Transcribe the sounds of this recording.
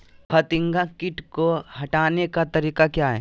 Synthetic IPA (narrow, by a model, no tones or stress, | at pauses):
pʰɐt̪ɪ̃ŋɡakɪʈkoɦɐʈaːnekat̪ɐɾiːkakjaːɦɛ̰ː